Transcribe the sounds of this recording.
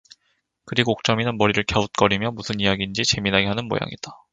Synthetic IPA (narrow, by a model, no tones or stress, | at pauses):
kɯɾiɡoːk̚t͡ɕ͈ʌminɯnmʌɾiɾɯɭkeut̚k͈ʌɾimjʌmusʰɯnijaɡind͡ʑit͡ɕe̞minɦaɡe̞ɦanɯnmo̰ja̰ŋḭd̥a